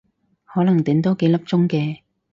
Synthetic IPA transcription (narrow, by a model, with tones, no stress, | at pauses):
hɔː˨˥lɐ˨˩ŋt̪iː˨˥mt̪o˥wke˨˧jlɐ˥p̚t͡sʊ˥ŋkɛː˧